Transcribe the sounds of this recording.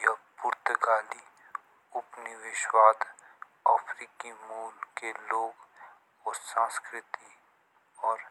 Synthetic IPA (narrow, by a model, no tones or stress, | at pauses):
japuːɾt̪əkaːli | ʊpniʋɪʃwaːd̪ | a̰ːfʰɾiːkimuːlkeloːɡ | ɔsãːskɾɪt̪i | ɔːɾ